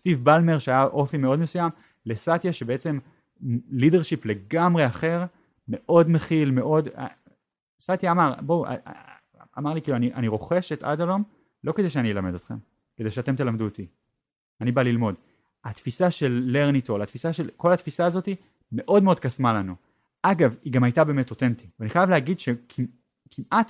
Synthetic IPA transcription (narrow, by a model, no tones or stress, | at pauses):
st̪ivbalmeʁʃeajaʔo̞fimeo̞dmesujam | le̞sat̪jaʃebe̞et͡se̞m | lide̞ʁʃiple̞ɡamʁe̞aχe̞ʁ | me̞ʔo̞dmeχilme̞ʔo̞d̪a̰ | sat̪jaːmaʁbowa̰ | a̰maʁlikiluaniʔaniʁo̞χe̞ʃet̪a̰dalo̞m | lo̞kede̞jʃeanijelame̞d̪o̞t̪χe̞̰m | ke̞d̪eʃeate̞mte̞lamduet̪i | anibalilmo̞d | at̪fisaʃe̞lːe̞ʁnitolat̪fisaʃe̞lko̞lat̪fisaːzo̞t̪i | me̞ʔo̞dmeo̞d̪̚kasmalanu | ʔaɡaviɡamhajtabeːmetot̪e̞nt̪iveaniχajavlehaɡidʃekʰim | kʰimʔat̪